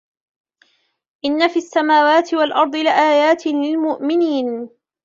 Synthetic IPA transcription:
ʔɪnːafiːasːamaːwaːt̪ɪwalʔɑɾˤd̪ˤɨlɪʔaːjaːt̪lɪlmʊʔmɪniːn

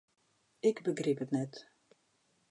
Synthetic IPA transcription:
ɪkbəɡripətnɛt

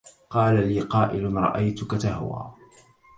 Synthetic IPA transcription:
qɑːlaliːqɑːʔɪlʊnɾˤɑ̰ʔajt̪ʊkat̪ahwa̰ː

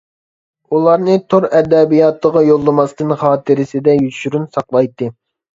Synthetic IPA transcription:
ulˠɑɾnɨt̪ʰoɾɛd̪ɛbijɑt̪ːˠəʁɑjolˠːɨmɑst̪ɨnχɑːt̪ʰɨɾɪsɪd̪ɛjyʃyɾynsɑqlˠɑjt̪ːɨ

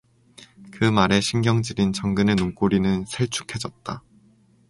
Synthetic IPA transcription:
kɯmaɾe̞ɕʰiŋɡjʌŋd͡ʑibint͡ɕʌŋɡɯne̞noŋk͈oɾinɯnsʰe̞ɭt͡ɕʰu̥kʰe̞d͡ʑʌt̚t͈a

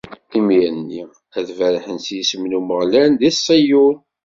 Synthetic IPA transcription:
imiənːi | æðvæɾħənsjisəmnuməʁlænðisˤːijuɾ

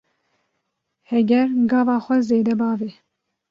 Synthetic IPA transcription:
hɛɡʲɛɾɡɑːvɑːxʷɛzeːd̪ɛbɑːve

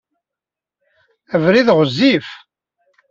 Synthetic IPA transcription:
əvɾiðʁəzːif

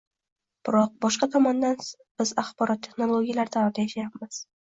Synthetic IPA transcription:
b̥ɪɾɒq̚bɒʃqɑt̪ʰɒmɒnd̪an | bɪzaχbɒɾɒt̪ʰːeχnolˠoɡʲijalaɾd̪ʰavɒɾd̪ajaʃajapmɪz̥

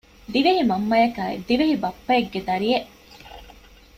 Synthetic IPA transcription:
d̪iʋeɦimɐmːɐjɐkaːḛd̪iʋeɦibɐpːɐeɡːed̪ɐɾijeʔ

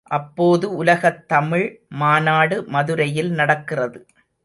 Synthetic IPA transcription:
ʔɐpːoːðɯʊlɐɣɐt̪ːɐmɪɻmaːnaːɽɯmɐðɯɾɐjɪlnɐɽɐkːɪrɐðɯ

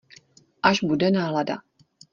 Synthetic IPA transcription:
ʔaʒbudɛnaːlada̰

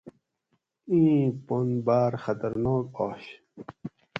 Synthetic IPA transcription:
ĩːponbaːɾxɐt̪ɐɾnoːkoːɕ

